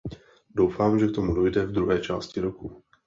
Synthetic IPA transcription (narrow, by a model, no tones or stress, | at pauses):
do̞wfaːmʒɛk̚t̪o̞mudo̞jdɛvd̪ɾuɦɛːt͡ʃaːscɪɾoku